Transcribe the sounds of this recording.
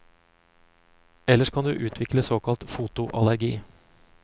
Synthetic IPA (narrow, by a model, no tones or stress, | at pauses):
ɛlːəʂkʰɑnd̪ʉ̰ːʔʉːt̪ʰʋɪkləsoːkɑlt̪fuːt̪ʊʔɑlæɾɡiː